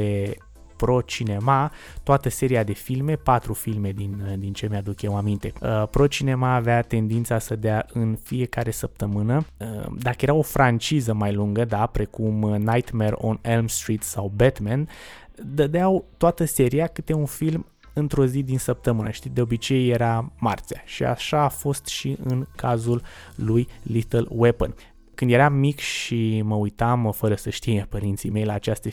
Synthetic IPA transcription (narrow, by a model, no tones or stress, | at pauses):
e | pɾo̞t͡ʃine̞mat̪oat̪əse̞ɾiad̪e̞filme̞pat̪ɾufilme̞d̪ind̪int͡ʃe̞mead̪ukʲewamint̪e̞əpɾo̞t͡ʃine̞maːveat̪e̞nd̪int̪sasəd̪eaʔɨnfije̞kaɾe̞səp̚t̪əmɨnəə̰d̪akəje̞ɾawo̞fɾʔant͡ʃizəmajluŋɡəd̪apɾe̞kumnajt̪mero̰nelmst̪ɾit̪sawbet̪mend̪əd̪eawt̪oat̪əse̞ɾiakɨt̪eunfilm | ɨnt̪ɾo̞zid̪insəp̚t̪əmɨnəʃt̪id̪eo̞bit͡ʃe̞jːeɾama̰rt̪sijaʃia̰ʃaːfo̞st̪ʃiʔɨnkazulː | ujlit̪əlwepə̰n | kɨnd̪je̞ɾamːikʃiməujt̪amfəɾəsəʃt̪ijepəɾint̪sime̞jlaːt͡ʃast̪e